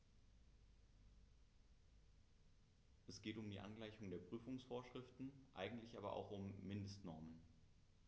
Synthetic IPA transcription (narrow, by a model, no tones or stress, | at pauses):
ʔɛsɡ̥eːtʊmdiːʔa̰nɡlaɪçʊŋdeːɐpʁ̥yːfʊŋsfoːɐʃʁ̥ɪftn̩ʔa̰ɪɡŋ̩tlɪçʔaːbɐʔa̰ʊxʊmːɪndəstnɔɐmən